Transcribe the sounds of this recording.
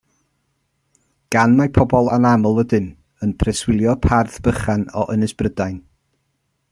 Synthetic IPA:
ɡ̥anmapʰɔbɔlˠa̰namʊlˠwədɨn | ənpʰrɛswɪlˠjɔpʰarθb̥əχanɔʔənɨsb̥rədajn

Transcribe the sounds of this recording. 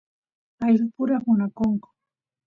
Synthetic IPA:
ajɾʊpʊɾamʊnakoŋkʊ̥

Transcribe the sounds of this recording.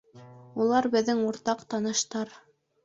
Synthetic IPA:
ulˠɑɾbɘ̆ðːɘŋuɾt̪ɑqt̪ɑnɤ̆ʃt̪ɑɾ

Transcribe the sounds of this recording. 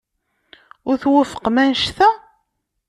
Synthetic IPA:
ʊɾθwəfə̥qmænʃθæ

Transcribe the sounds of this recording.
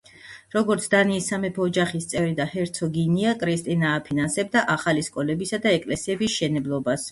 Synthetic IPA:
ɾɔɡɔɾt̪sʰd̪aniːsːamɛpʰɔːd͡ʒaχist̪sʼɛvɾid̪ahɛɾt̪sʰɔɡiniakʼɾist̪ʼinaːpʰinansɛbd̪aʔaχaliskʼɔlɛbisad̪aɛkʼlɛsiɛbisʃɛnɛblˠɔbas

